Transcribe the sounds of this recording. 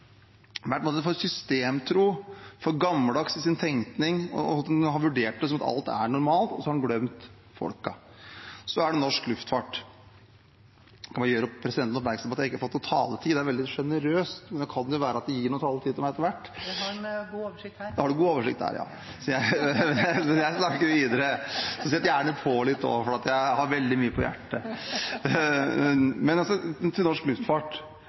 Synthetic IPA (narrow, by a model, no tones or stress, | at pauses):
ʋæpɔmoːt̪əfɔɾsʏst̪eːmt̪ʰɾuːfɔɾɡɑmːəld̪ɑksɪsɪnt̪ʰɛŋt̪nɪŋɔ̰ɦɑɾʋʉɖeːʈ̚d̪ɛs̬ɔmɑt̪ɑ̰lt̪æ̰ɳʊɾmɑːlt̪ɔ̰sɔhɑɖnɡlœmt̪ | fɔ̰lkɑ | sɔæɖɛnɔʂklʉft̪fɑʈ | kʰɑnmɑjøːɾəɔpʰɾɛsɪd̪ɛnt̪nɔp̬mæɾksɑmeɑt̪jæɪkːɑfɔt̪ːɔt̪ʰɑ̰ːlət̪ʰiːd̪ɛæɾʋɛld̪ɪʂɛnəɾøːst̪mɛnd̪ɔkʰɑnd̪ɛjʊʋæːɾəɑt̪̚d̪ɛjiːɳuːət̪ʰɑːlət̪iːɪmæɪɛt̪ːəʋæʈː | hɑɖʉɡuːoːʋəʂɪkt̪hæ̰ːɾjɑ̰ː | sɔjæɪ | sɛjæɪsnɑkːəɾʋiːd̪əɾəsɔsɛt̪ːjæːɳəpʰɔlɪt̪ːɔ̰fɔɾɑt̪jæɪhɑɾʋɛld̪ɪmyːəpʰɔjæ̰ʈːə | mɛnɑsɔt̪ʰɪlnɔʂklʉft̪fɑʈ